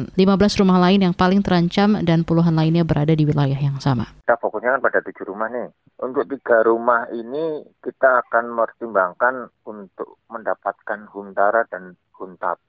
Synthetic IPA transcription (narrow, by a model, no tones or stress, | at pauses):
nlimabəlasrumahlaɪnjaŋpalɪŋt̪əɾaɲt͡ʃamdanpuluɦanlaɪnɲabəɾʔadadiwilajaɦjaŋsama̰it̪afokʊsɲakanpadat̪u̥d͡ʒuɾumahnɪh | ʔunt̪ʊk̚t̪iɡ̥aɾumahinikit̪aːkanmərt̪imbaŋkanunt̪ʊk̚məndapat̪̚kanhunt̪aɾadan | hunt̪a̰p̚